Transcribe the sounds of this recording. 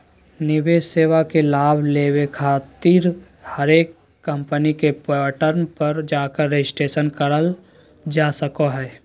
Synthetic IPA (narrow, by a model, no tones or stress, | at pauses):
nɪbeːseːwakelaːbʱleːwekʰaːt̪iɾ | həɾeːkː | ə̃mpənikepːʈəɾnpəɾd͡ʒaːkəɾːed͡ʒɪsʈeːʃənkəɽəl | d͡ʒaːsəkoɦɛː